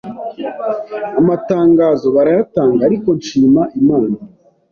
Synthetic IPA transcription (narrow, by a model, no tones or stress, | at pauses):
amataːŋɡaːzo̞βaɾajataːŋɡaːɾiko̞nʃiːmaʔimaːna